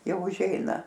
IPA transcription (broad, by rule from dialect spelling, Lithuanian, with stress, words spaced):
ˈjɛʊ ʊʒʲˈɛɪnɐ